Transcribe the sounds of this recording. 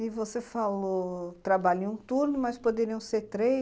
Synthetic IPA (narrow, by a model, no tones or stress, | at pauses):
ɪvosefalot̪ɾabaʎũt̪uɾnʊmɐspod̪eɾiɐ̃w̃seɾt̪ɾe